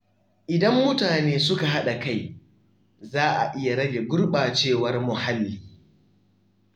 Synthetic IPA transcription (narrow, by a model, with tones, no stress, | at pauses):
ʔɪ˨dɐ˦mːʊ˦taː˨neː˦sʊ˦ka˨ɦa˦ɗa˨ka˦˨j | zaː˦ʔa̰˨ʔɪ˦ja˨ɽɐ˦ɡʲe˨ɡʷʊ˦rɓaː˨t͡ʃeː˦˨wɐ˦rmʊ˨ha˦lːiː˨